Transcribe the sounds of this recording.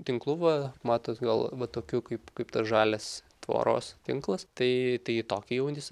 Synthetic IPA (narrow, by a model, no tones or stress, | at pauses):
t̪ʲɪŋklˠʊʋɐmɑːt̪oːt̪ɡɐlˠʋɐt̪oːkʲukɐɪpkɐɪpt̪ɐsʒɑːlʲes | t̪ʋo̰ːɾo̰ːst̪ʲɪŋklˠɐst̪ɐɪt̪ɐɪɪt̪oːkʲɪjɛʊnʲɪs